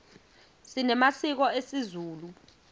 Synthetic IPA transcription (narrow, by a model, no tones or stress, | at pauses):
sinɛmasik̬ɔesizuːlu